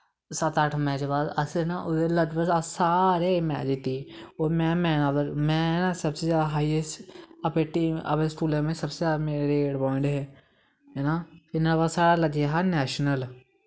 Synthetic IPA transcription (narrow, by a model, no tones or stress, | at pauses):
sət̪əʈʰmɛːt͡ʃbaːd̪əsenaːʔʊd̪eləd͡ʒbəasaːɾeːmɛ̰ːt͡ʃɪt̪ːiːoːmɛ̃ːmɛ̃ːnaːd̪əɾmɛ̃ːnaːsəbseːd͡ʒaːd̪aɦaːiesəpeːʈiə̰pẽskuːlãːmẽːsəbseaːmeːɾeɾeɖɔːɪ̃ɳɖɦeː | ɦɛnaːɪnəɽbaːsaːɽaːləd͡ʒeɦanɛːʃnəl